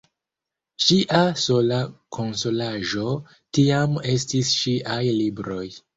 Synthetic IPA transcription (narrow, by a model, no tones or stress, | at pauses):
ʃiʔaso̞lakʰo̞nso̞laʒo̞ | tiame̞stisʃiʔajlibɾo̞j